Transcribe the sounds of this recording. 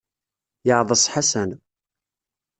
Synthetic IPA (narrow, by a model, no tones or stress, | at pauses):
jəʕðˤəsˤħasæn